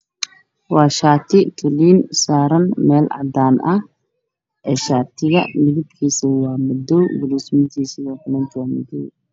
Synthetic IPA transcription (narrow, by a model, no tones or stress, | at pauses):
wɑːʃaːt̪ʰɪt̪ʰɔliːnsaːɾɐnmɛːlʕɑ̰d̪aːnʔɐh | ʔɛːʃaːt̪ʰɪɣɐmɪɣɪbkʰiːsɐwɑːmʊd̪ɔwɡʊlismɪt̪ʰiːsɪɣɐħʊnɐd͡ʒaːmɔd̪ɔ̰w